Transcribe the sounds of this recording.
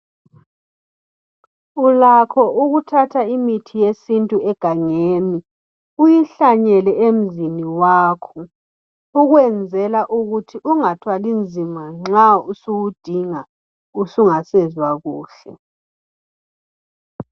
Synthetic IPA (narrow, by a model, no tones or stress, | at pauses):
ulakʰɔʔuɣutʰatʰaimitʰijesintʼuɛɡ̥ʱaŋeːni | ujiɬaɲɛlɛem̩ziniwaːkʰɔ | uɣwɛnd͡zʱɛlaʔuɣutʰiʔuŋatʰwalind͡zʱimaŋ͡ǁausuɣud̥ʱiŋa | usuŋasɛzwaɣuːɬɛ̰